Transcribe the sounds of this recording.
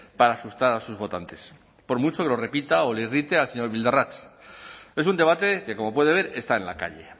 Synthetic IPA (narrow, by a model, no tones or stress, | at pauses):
paɾaːsust̪aɾasuzβo̞t̪ant̪e̞s | po̞ɾmut͡ʃo̞ke̞lo̞re̞pit̪aoleirit̪e̞alseɲo̞ɾβild̪arat͡ʃ | e̞s̬und̪eβat̪e̞ke̞ko̞mo̞pwe̞ð̞eeɾe̞st̪aenla̰ka̰ʎe̞